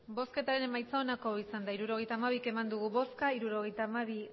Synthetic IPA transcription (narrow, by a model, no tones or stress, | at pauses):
bo̞ske̞t̪aɾe̞nemajt͡saonako̞isand̪aiɾuɾo̞ɣejt̪aːmaβ̞ike̞mand̪uɣuβo̞skaiɾuɾo̞ɣe̞jt̪aːmaβi